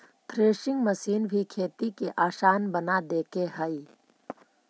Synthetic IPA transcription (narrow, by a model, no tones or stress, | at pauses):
t̪ʰɾeːʃɪ̃ŋɡməsiːnbʱikʰeːt̪ikeʔaːʃaːnbənad̪eːkeɦəi